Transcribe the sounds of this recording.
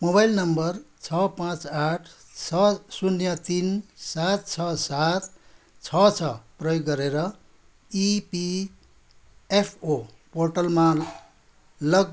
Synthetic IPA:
moβajlnʌmbʌrt͡sʰʌpãt͡saʈʰt͡sʰʌsunjʌt̪insat̪̚t͡sʰʌsat̪ | t͡sʰʌt͡sʰʌprʌjoɡːʌɾeɾʌ | ipi | epʰo | porʈʌlma | lʌɡ̚

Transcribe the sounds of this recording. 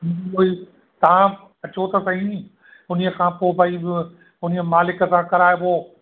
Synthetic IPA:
ioːi | t̪ɐʋ̤ã | ɐt͡ɕot̪ɐsɐ̃ɦĩ | ʊnijəkʰãːpoːbʱɐibɪ | ʊniəmaːlɪkə̆sãːkɐɾaːjeboː

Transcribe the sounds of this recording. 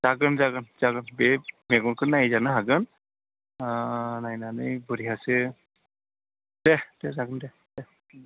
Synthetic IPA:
z̥aɡɯnzaɡɯnzaɡɯnbɛmɛɡɔnkɯnazanɯɦaɡɯn | najnanɯjbɔɾiɦase | d̥ɛdɛzaɡɯndɛ | dɛ

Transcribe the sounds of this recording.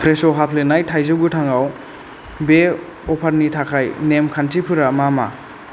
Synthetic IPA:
pʰɾesoɦapʰlenajtʰajzɯɡutʰaŋaw | be | ɔpʰaɾnitʰakʰajnemkʰantʰipʰɯɾamama̰

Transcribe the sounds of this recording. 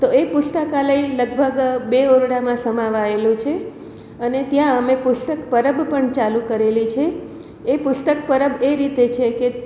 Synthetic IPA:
t̪oepʊst̪əkaləiləɡ̚bʱəɡbeoɾɽamãsəmaʋaelũt͡ʃʰe | ənet̪jãəmepʊst̪əkpəɾəbpəɳt͡ʃalũkəɾelit͡ʃʰeː | pʊst̪əkpəɾəbeɾit̪et͡ʃʰeke

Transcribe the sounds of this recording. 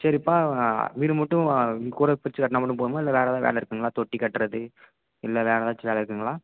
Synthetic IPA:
sɐɾipːaːʋiːɾɯmɐʈːɯ̃kuːɾɐpɪɾɪt͡ʃːɯkɐʈːnamɐɽɯ̃mp̬oːðɯmaːɪlːɐʋeːlɛt̪ãːʋʔḛːɭɐɪɾɯkːɯːŋɡɐɭaːt̪ɔʈːikɐʈːɾɐðɯ | ɪlːɐʋeːɾɐt̪ãːt͡ʃːʋeːɭɐɪɾɯkːɯŋɡɐɭaː

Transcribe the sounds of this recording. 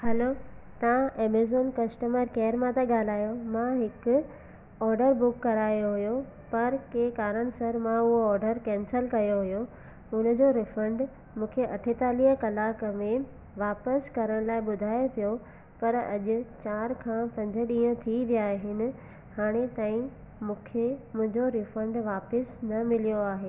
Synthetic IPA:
hɐloːt̪ɐʋãʔeːmeːzoːnkɐsʈəməɾkeːɾmãt̪ɐɠaːl̤aːjomãɦɪkʊ | ɔːɾɖəɾbʊkːɐɾaːjoɦʊjo | pɐɾkekaːɾəɽ̃sɐɾmãʊɦoɔːɾɖəɾkɛ̃ːnsəlkɐjoɦʊjo | ʊnə̆d͡ʑoɾɪfə̃ɳɖ | mũːkʰeʔɐʈʰet̪aːliɦəkɐlaːkmẽ | ʋaːpəskɐɾəɽ̃laːɪɓʊd̪ʱaːjepijo | pɐɾɐ̰ʄʊ̆t͡ɕaːɾkʰãpɐ̃ɲd͡ʑə̆ɗĩːə̃t̪ʰiʋijaːɦɪnɪ̆ | haːɽ̃et̪aːĩ | mũːkʰemʊ̃ɦɪ̃ɲd͡ʑoɾɪfə̃ɳɖʋaːpəsnɐmɪlijoaːɦeː

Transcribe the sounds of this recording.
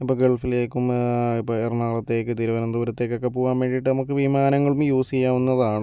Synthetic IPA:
ipːoːɡeɭfileːkːumipːoerɳaːɭɐt̪ːe̞ːkːɨt̪iɾuʋɐɾɐnd̪uːɾɐt̪ːe̞kːokːepoːɣaːnʋe̞ːɳɖijiʈːɨnɐmukːɨʋimaːnɐŋːɐɭumjuːsijːaːʋunːɐðaːɳɨ

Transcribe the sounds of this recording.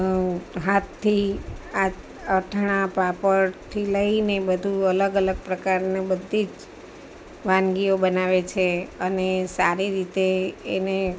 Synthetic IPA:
ɦat̪ʰːia | əʈʰɽ̃apapəɾt̪ʰiləinebəd̪ʱuələɡələɡ̚pɾəkaɾnebəd̪ʱːid͡ʒ | ʋãnɡiobənaʋet͡ʃʰeənesaɾiɾit̪eːne

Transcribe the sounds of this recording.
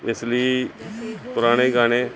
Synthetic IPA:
ɪsli | pʊɾaːɽ̃eɡaːɽ̃eː

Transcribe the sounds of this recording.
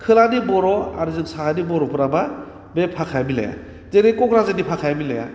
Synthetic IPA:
kʰɯlanibɔɾɔa̰ɾɯzɯŋsaanibɔɾɔpɯɾaba | bepʰakʰajmila̰ja̰ | zeɾekɔkɾazɯnipʰakʰajamilaja̰

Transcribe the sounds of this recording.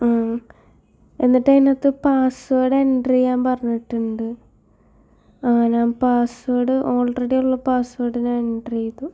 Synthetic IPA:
aː | e̞nːiʈːeŋnɐt̪ːɨpaːsʋoːɽeeɳɖrijaːmpɐrɐɲːiʈːuɳɖɨ | ɐŋːɐneampaːsʋoːɽɨʔo̞ːlreɽijuɭːɐpaːsʋoːɽinenɖrijɐt̪ːu

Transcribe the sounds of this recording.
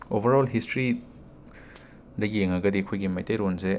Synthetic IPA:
obʱɐɾolɦistɾi | dɐɡieŋɐɡɐdiɐkʰojɡimɐjtejɾonze

